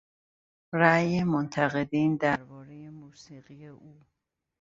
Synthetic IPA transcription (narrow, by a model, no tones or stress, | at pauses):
ɾæːjemont̪ʰæɣe̞d̪iːnd̪æɾbɒːɾeje̞muːsiːɣijeʔuː